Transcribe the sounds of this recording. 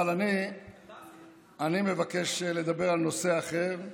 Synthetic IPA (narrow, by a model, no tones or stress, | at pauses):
lani | animevake̞ʃle̞d̪abeʁalno̞seaχe̞ʁ